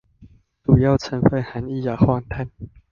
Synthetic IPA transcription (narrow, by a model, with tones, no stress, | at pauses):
t̪u˨˩ja˥˨wt͡sʰə˧˦nfə˥˧˩ha˨˦ni˦˥˧ja˨˩xʰwɔ˥˧nt̪ʰa˥˩n